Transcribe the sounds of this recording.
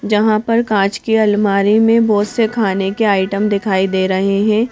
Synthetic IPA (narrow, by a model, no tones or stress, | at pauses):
d͡ʒɐɦãpɐɾkãːt͡ʃkiɐlmaːɾimẽbɔːt̪sekʰaːnekeaːɪʈəmd̪ɪkʰaːid̪eːɾɐɦeɦɛ̃ː